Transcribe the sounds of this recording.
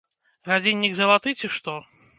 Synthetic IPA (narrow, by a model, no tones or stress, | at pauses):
ɣad͡zʲinʲːiɡzɐlˠat̪ɨt͡sʲiʂt̪ɔ